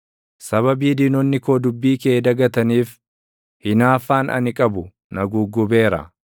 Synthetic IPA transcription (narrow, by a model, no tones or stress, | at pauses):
sɐβɐbiːd̪iːnɔnːɪko̞ːd̪ʊbːiːkeːd̪ɐɡɐt̪ɐniːf | hɪnaːfːaːnʔɐ̰nɪkʼɐbʊ | nɐɡuːɡʊbe̞ːɾɐ̰